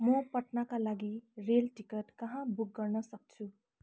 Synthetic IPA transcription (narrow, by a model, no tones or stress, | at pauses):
mʌpʌʈnakalaɡiɾelʈikʌʈkʌɦãbuk̚ɡʌrnʌsʌk̚t͡sʰu